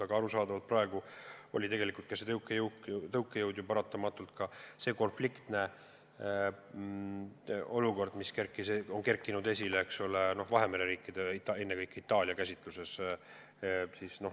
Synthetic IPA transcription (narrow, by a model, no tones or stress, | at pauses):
ɑɡ̥ɑɑɾusɑːd̪ɑvɑlt̪prɑeɡ̥uo̞̰lʲit̪e̞ɡe̞likult̪kɑset̪ɤwkːˑejwkt̪ɤwkˑːejɤwd̪̥jupɑɾɑt̪ːˑɑmɑt̪ːˑult̪kɑse̞ːko̞nflikt̪ne̞ | o̞luko̞rd̪miske̞rkːˑiseonke̞rkːˑinud̪e̞s̬ʲileeksoleno̞hvɑɦe̞meɾeɾiːkːˑid̪e̞it̪ːɑe̞nːe̞kɤjkːˑit̪ːˑɑːlʲiɑkæsʲit̪ˑluse̞s | siːsno̞